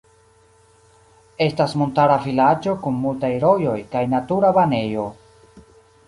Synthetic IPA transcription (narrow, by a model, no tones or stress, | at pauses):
e̞stasmo̞ntaɾafilat͡ʃo̞kunːultajɾo̞jo̞jkajnatuɾabane̞jo̞